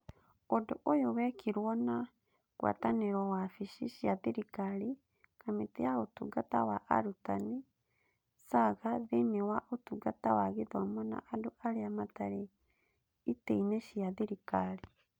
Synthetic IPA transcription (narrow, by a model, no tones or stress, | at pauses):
odoʔojowɛkiɾwɔna | ɣwa̰taneɾɔwafiʃiʃjaðeɾikaɾi | kameteaotuɡata̰waʔa̰ɾutani | saɣaðenewaʔotuɡatawaɣeðɔmɔna̰ʔːdoʔaɾeamataɾe | iteinɛʃiaðiɾikaɾi